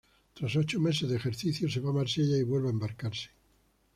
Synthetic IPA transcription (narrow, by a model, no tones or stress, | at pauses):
t̪ɾasot͡ʃome̞sezðexe̞ɾθiθjose̞βamaɾseʎaiβwe̞lβaembaɾkaɾse̥